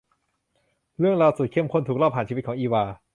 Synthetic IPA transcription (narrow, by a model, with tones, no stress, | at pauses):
ɾɯ˥˩əŋɾaː˧wsu˨˩t̚kʰe˥˩ə˨mkʰo˧˥˨t̪ʰuː˨˩k̚lɔː˥˩pʰaː˨˩nt͡ɕi˧˩˦ɔː˩˦ŋʔiː˧waː˧